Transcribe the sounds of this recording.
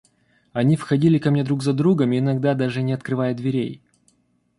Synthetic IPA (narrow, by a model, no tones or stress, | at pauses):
ɐnʲifxɐdʲilʲɪkɐmnʲed̪ɾuɡzɐd̪ɾuɡəmɪɪnɐɡ̚d̪ad̪aʐɨnʲɪɐt̪̚kɾɨvajəd̪vʲɪɾʲej